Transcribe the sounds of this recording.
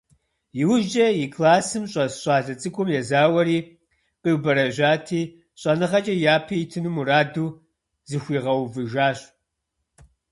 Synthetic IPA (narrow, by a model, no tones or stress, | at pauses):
jɪwʊʒɐjɪkʰlaːsɨmɕʼɐsɕʼaːɮɐt͡sʼɨkʷʰʊmjɛzaːwɐɾiː | qiwbɐɾɐʒʷaːtʰiː | ɕʼɐnɨχɐt͡ʃʼɐjaːpʰiːtʰɨnɨmuɾaːduː | zɨxʷiːʁɐwvɨʒaːɕʼ